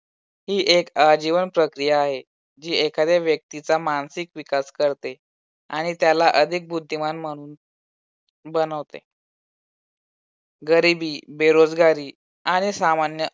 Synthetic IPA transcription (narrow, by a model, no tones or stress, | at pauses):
hiːʔekad͡ʑiʋənpɾəkɾijaːɦe | d͡ʑiːekʰad̪eʋjək̚t̪it͡samansikʋikaskəɾt̪e | a̰ɽ̃it̪jalaʔəd̪ʱik̚bud̪ʱːimanm̤əɽ̃uːn | bənəʋt̪ḛ | ɡəɾibiːbeɾod͡zɡaɾiː | aɽ̃isamanjə